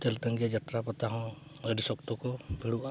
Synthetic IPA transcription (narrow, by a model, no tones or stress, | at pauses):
t̪elt̪əŋɡijad͡ʒat̪ɾapɔt̪aɦɔ̃ | əɖisɔkt̪ɔkɔbʱiɽuʔa